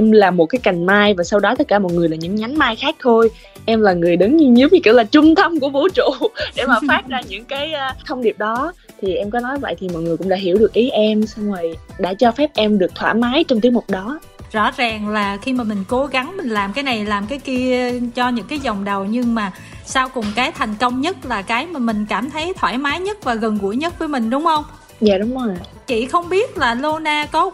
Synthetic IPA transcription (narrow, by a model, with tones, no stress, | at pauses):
ʔɛ˧mlaː˨˩mo˨˩t̚kaː˨˦jka˨˩jŋ̟maː˧jvaː˨˩sa˧wɗɔ˨˦t̪ə˦˥t̚kaː˧˩mɔ˨˩t̚ŋɨ˨˩əjlaː˨˩ɲɨ̰˧˥ŋɲa˨˦ŋ̟maː˧jxaː˦˥k̚t̪ʰo˧j | ʔɛ˧mlaː˨˩ŋɨ˨˩əjɗɨ˨˦ŋɲɨ˧ɲɨ˨˦wɲɨ˧ki˧˥laː˨˩t͡ɕʊ˧ŋ͡mt̪ʰə˧mku˧˩əvo̰˧˥t͡ɕṵ˧˩ɗe˧˩maː˨˩faː˦˥t̚zaː˧ɲɨ̰˧˥ŋkaː˨˦jːt̪ʰə˧wŋ͡mɗi˨˩əp̚ɗɔ˨˦ | t̪ʰi˨˩ʔɛ˧mkɔ˨˦nɔ˨˦jvə̰˧˨jt̪ʰi˨˩mɔ̰˨t̚jŋɨ˨˩jkʊ̰˧˥ŋ͡mɗa̰ː˧˥ɦi˧˩əwɗɨ˨˩ək̚ʔi˨˦ʔɛ˧msa˧wŋ͡mvə˨˩jɗa̰ː˧˥t͡ɕɔ˧fɛ˦˥p̚ʔɛ˧mɗɨ˨˩ək̚t̪ʰwa̰ː˧˩maː˨˦jt͡ɕɔ˧wŋ͡mt̪i˦əkmʊ˨˩k͡p̚ɗɔ˨˦ | zɔ̰˧˥zaː˨˩ŋlaː˨˩xi˧maː˨˩mï˨˩ŋ̟ko˨˦ɣa˨˦ŋmï˨˩ŋ̟laː˨˩mkaː˨˦jna˨˩jlaː˨˩mkaː˨˦jki˧ət͡ɕɔ˧ɲɨ̰˧˥ŋkaː˨˦jzɔ˨˩wŋ͡mɗə˨˩wɲɨ˧ŋmaː˨˩ | saː˧wkʊ˨˩ŋ͡mkaː˨˦jt̪ʰa˨˩jŋ̟kə˧wŋ͡mɲə˦˥t̚laː˨˩kaː˨˦jmaː˨˩mï˨˩ŋ̟kaː˧˩mt̪ʰə˨˦jt̪ʰwaː˧˩jmaː˨˦jɲə˦˥t̚vaː˨˩ɣə˨˩nɣṵ˧˩əjɲə˦˥t̚vəː˨˦jmï˨˩ŋ̟ɗʊ˨˦wŋ͡mxə˧wŋ͡m | ja̰ː˧˨ɗʊ˨˦ŋ͡mzo˨˩j | t͡ɕi˧˩xə˧wŋ͡mɓi˦˥ət̚laː˨˩lo˧naː˧kɔ˨˦